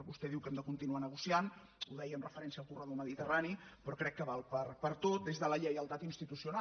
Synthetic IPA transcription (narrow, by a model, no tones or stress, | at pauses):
βust̪ɛðiwkɛmd̪əkunt̪inuanəɣ̞usian | uðɛjəmrəfəɾɛnsiəlˠkurəðoməðit̪əranipɾɔkɾɛkːəβalˠpəɾpəɾt̪ot̪̚d̪ezðələʎəjəlˠt̪at̪inst̪it̪usiuna